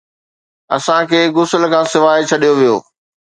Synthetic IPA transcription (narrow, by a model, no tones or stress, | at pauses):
ɐ̰sãkʰeːɡʊsəl̆kʰãːsɪʋaːɪt͡ɕʰɐɗijoʋijo̰ː